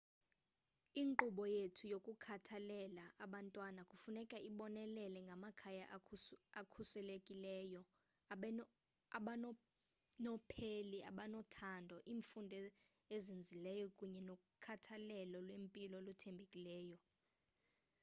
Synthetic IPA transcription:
iːŋǃuɓɔjetʰujokʼukʰatʰalɛlaʔaɓantʼwanakʼufunɛkʼaʔiɓɔnɛlɛlɛŋɡʱamakʰajaʔakʰusɛlekʼilɛːjɔ | nɔpʰeliʔa̰ɓanɔtʰandʱɔʔiːɱfundʱɛ | ezind͡zʱilɛjɔkʼuɲɛnokʼukʰatʰalɛlɔlwempʼilɔlutʰembʱekʼilɛːjɔ

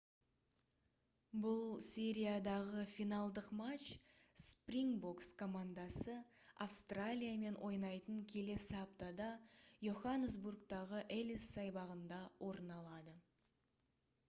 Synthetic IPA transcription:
bʊlˠsʲeɾʲijad̪ɑʁəfinɑlˠd̪əqmat͡ʃ | sprʲiŋbokskʰo̞mand̪ɑsə | afst̪ralʲijame̞nwʔo̞jnɑjt̪əŋkʲʰe̞le̞sɪapt̪ad̪ɑjuχanəsburkt̪ɑʁəʔelisːɑjbɑʁənd̪ɑwʔo̞ɾənɑlˠɑd̪ə

